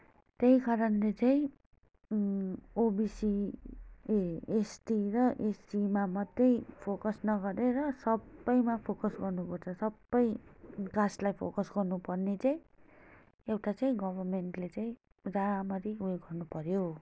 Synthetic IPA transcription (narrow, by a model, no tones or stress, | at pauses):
t̪eɦikaɾʌnlet͡saĩ | obisi | esʈirʌʔesimamʌd̪ʌjpʰokʌsnʌɡʌɾeɾʌsʌbːʌjmapʰokʌsɡʌrnupʌrt͡sʰʌsʌbːʌjɡaslajpʰo̰kʌsɡʌrnupʌrnet͡saĩ | ewʈat͡saĩɡʌbʌrmenʈlet͡saĩ | raamʌɾiueɡʌrnupʌɾjo